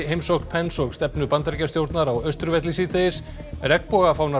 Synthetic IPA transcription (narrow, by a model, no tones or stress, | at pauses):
ɦejmsɔkpʰɛnsɔkst̪ɛpnʏpant̪ɾcast̪jowɾt̪naɾawœst̪ɾʏvɛt̪lisiːt̪aɪs | rɛkpɔːɣafaːwna